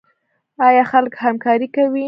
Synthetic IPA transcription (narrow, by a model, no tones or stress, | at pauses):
ɑjɑxalkhamkɑɾikawi